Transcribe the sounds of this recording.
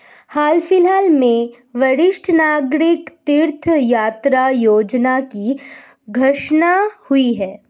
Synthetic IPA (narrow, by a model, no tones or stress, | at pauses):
haːlfɪlɦaːlmẽ | ʋɐɾɪʃʈʰənaːɡɾɪkt̪ɪɾt̪ʰjaːt̪ɾajoːd͡ʒnaki | ɡʱɐʃnahʊiɦɛː